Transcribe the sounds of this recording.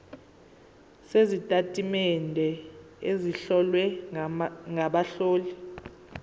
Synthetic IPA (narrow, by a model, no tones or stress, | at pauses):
sezitʼatʼimɛndʱɛ | eziɬɔlwɛ | ŋʱaɓaɬoːli